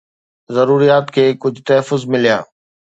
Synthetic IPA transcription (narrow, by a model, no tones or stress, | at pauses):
zɐɾuːɾijaːt̪kʰeːkʊd͡ʑʱt̪ɐɦəfːʊzmɪlijaː